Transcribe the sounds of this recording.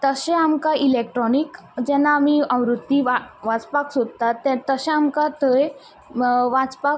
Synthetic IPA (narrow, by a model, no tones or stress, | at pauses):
t̪əɕɛ̃amkaʔilekʈɾɔnikd͡ʑɛnːaːmiə̃wɾut̪ːiʋaʋãt͡spaksod̪̚t̪at̪ːɛt̪ːəɕɛ̃amkat̪ʰəj | ʋãt͡spa